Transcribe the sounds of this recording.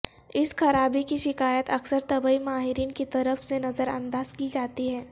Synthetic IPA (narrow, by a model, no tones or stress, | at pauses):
ɪsxɐɾaːbikiʃɪkaːjət̪ɐksəɾt̪ɐbəimaːɦɪɾiːnkit̪ɐɾəfsenɐzəɾɐ̰̃nd̪aːzkiːd͡ʒaːt̪iɦɛː